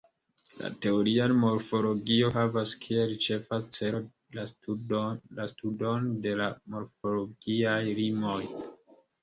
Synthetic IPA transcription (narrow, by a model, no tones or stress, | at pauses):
la̰te̞oɾianmo̞ɾfo̞lo̞ɡio̞ɦavaskʰieɾit͡ʃe̞fat͡se | la | lastudo̞nde̞lamo̞ɾfo̞lo̞ɡiajlimo̞j